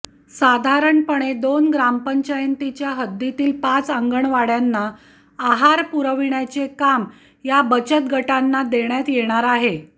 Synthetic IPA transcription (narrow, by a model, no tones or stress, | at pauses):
sad̪ʱaɾəɳpəɽ̃ed̪onɡɾampəɲt͡ɕajənt̪it͡ɕjaɦəd̪ːit̪iːlpat͡saŋɡəɳʋaɽjanːaː | ɦaɾpuɾəʋiɳjat͡sekam | jabət͡ɕət̪̚ɡʱəʈanːad̪eɳjat̪jeɽ̃aɾaɦe